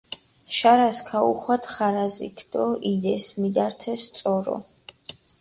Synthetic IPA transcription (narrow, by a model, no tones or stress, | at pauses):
ʃaɾaskʰauχwat̪ʰχaɾazḭkʰd̪̥ɔid̪ɛsmid̪aɾt̪ʰɛst̪sʼɔɾɔ̰